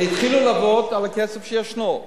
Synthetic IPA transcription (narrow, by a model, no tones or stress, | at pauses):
it̪χilulabot̪alakesefʃejaʃno